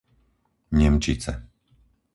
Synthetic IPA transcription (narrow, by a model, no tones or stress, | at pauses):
ɲɛmt͡ʃit͡sɛ